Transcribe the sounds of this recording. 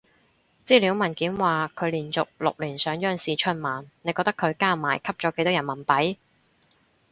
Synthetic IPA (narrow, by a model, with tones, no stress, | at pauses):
t͡siː˥liː˨˥wmɐ˨˩nkiː˨˥mwaː˨kʰɵ˨˧ɥliː˨˩nt͡sʊ˨k̚lʊ̰˨k̚liː˨˩nsœː˨˥ŋjœː˧ŋsiː˨t͡ʃʰɵ˧˥n̚maː˨˩nne˨˧jkɔ˧k̚t̪ɐ˥kʰɵ˨˧ɥkaː˥maː˨˩jkʰɐ˥p̚t͡ʃɔː˨˥ke˧˥jt̪ɔː˥ɐ˨˩nmɐ˨˩npɐ˨˥j